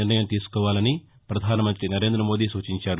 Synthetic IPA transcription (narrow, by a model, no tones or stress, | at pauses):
iɾnɐjɐmt̪iːsu̥kɔːʋaːlɐni | pɾɐd̪ʱaːnɐmɐnt̪ɾinɐɾe̞ːnd̪ɾɐmo̞ːd̪iːsuːt͡ʃiɲt͡ʃaːɾu